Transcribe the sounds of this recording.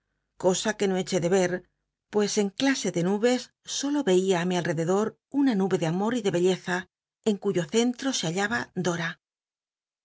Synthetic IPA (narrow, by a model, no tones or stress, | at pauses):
ko̞sake̞no̞e̞t͡ʃe̞ðe̞βe̞ɾ | pwe̞se̞ŋklase̞ðe̞nuβe̞sː | o̞lo̞βe̞iaːmialre̞ðe̞ðo̞ɾ | unanuβe̞ðeamo̞ɾiðe̞βe̞ʎe̞θa | e̞ŋkuʝo̞θe̞nt̪ɾo̞seaʎaβad̪o̞ɾa